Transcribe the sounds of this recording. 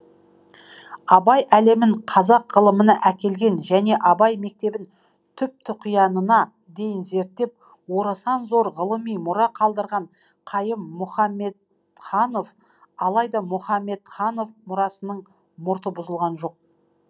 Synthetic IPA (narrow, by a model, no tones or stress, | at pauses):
ɑbɑjæle̞mɪɴqʰɑzɑqʁəlˠəmənɑʔækʲe̞lɡʲe̞nʒæne̞ʔɑbɑjme̞k̚t̪e̞bɪn | t̪ʰʏp̚t̪ɪqʰʊjɑnənɑ | d̪e̞jɪnze̞ɾt̪ːe̞p̚ | wo̞ɾɑsʁɑnzo̞ɾʁəlˠəmijmʊɾɑqʰɑlˠd̪əɾʁɑɴ | qʰɑjəmːʊχɑmːe̞t̪̚ | χɑno̞f | ɑlˠɑjd̪ɑmʊχɑmːe̞t̪χɑno̞fmʊɾɑsənəɴ | mʊɾt̪əbʊzəlˠʁɑnʒo̞q̚